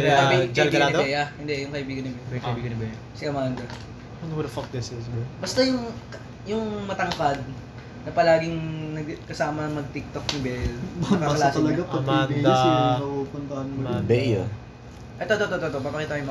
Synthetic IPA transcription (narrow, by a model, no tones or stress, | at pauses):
ɐd͡ʒɐɡiɐɡlanːd̪bɛjɐhɪnd̪ɛjʊŋkɐʔɪbiːɡɐnɪbbɛkɐɪbiːɡɐnɪbɛjɐsɪʔɐmand̪ɐ | ɐnwɾɐfɐk̚d̪ɛsɛsbɐbɐst̪ɐjʊŋ | jʊŋmɐt̪ɐŋkad̪̚ | nɐpɐlaːɡɪŋnɐɡkɐsaːmɐŋmɐɡ̚t̪ɪk̚t̪o̞k̚nɪbɛlɐkɐklaːsɐlɐɡaɐmanj̪ɐsnɐupʊnt̪ɐɐnmɐbɛja | ʔɛt̪ot̪ot̪ot̪ot̪obɐpɐkit̪ɐjm